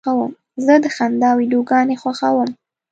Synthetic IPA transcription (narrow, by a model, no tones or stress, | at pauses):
awəm | zəd̪əxand̪ɑwiɖoɡɑnexwaxawəm